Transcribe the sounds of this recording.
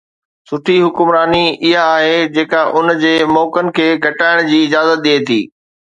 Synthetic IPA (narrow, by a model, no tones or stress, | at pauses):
sʊʈʰiɦʊkʊmɾaːniɪɦaːɦed͡ʑeːkaʔʊnd͡ʑeːmɔːkənɪ̆kʰeːɡʱɐʈaːɪɽ̃d͡ʑiːɪd͡ʑaːzət̪̚ɗiet̪ʰḭː